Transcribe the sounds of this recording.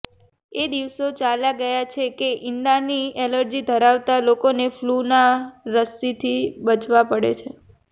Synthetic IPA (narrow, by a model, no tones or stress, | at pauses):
ed̪iʋsot͡ʃalaɡəjat͡ʃʰekeʔɪnd̪anieləɾd͡ʒid̪ʱəɾaʋt̪alokoneflunaɾəsit̪ʰibət͡ʃʋapəɽḛt͡ʃʰe